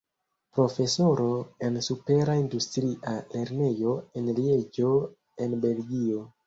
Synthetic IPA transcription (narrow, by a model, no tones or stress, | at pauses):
pɾo̞fe̞so̞ɾo̞e̞nsupe̞ɾaindustɾiʔale̞ɾne̞jo̞enlied͡ʒo̞ | e̞nbe̞lɡio̞